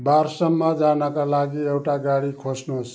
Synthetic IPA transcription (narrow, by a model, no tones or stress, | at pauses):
baɾsʌmːʌd͡zanʌkalaɡiewʈaɡaɽikʰosnos